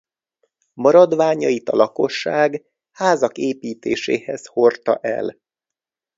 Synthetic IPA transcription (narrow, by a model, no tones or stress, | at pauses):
mɒɾɒd̪ʋaːɲɒjit̪ɒlɒko̞ʃːaːɡ | haːzɒkeːpiːt̪eːʃḛːhɛzho̞rt̪ɒʔɛ̰l